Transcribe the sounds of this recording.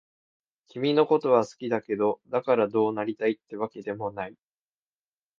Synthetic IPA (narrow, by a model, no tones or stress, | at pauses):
kʲimʲino̞ko̞t̪o̞βasɨ̥kʲid̪ake̞d̪o̞d̪akaɾad̪o̞ːnaɾʲit̪ait̪ːe̞βake̞d̪e̞mo̞nai